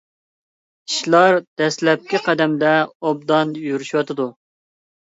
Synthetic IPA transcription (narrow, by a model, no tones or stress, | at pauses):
iʃlˠɑɾd̪̥ɛslɛp̚kʲiqʰæd̪ɛmd̪ɛob̚d̪ɑnjyɾyʃwɑt̪ʰɨd̪u